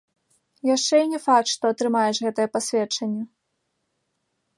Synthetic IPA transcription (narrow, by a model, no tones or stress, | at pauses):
jaʂt͡ʂɛinʲɛfakt̪ʂt̪ɔɐt̪ɾɨmajɛʂɣɛt̪ɐjɐpasʲvʲɛt͡ʂɐnʲːɐ